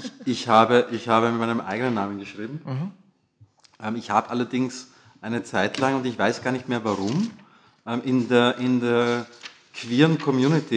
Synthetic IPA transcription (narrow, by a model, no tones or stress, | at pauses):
ʔɪçhaːbəʔɪçhaːbəmɪtmaɪnəmʔa̰ɪɡənənːaːmənɡəʃʁ̥iːbm̩ | ʔɛːmɪçhaːbəʔalɐdɪŋs | ʔaɪnət͡saɪtʰlaŋʊntɪçv̥aɪsɡ̥aːɐnɪçtmeːɐvaʁʊm | ʔɛmʔɪndeːɐʔɪndeːɐ | kʰv̥iːɐʁənkʰɔmjuːnɪtʰi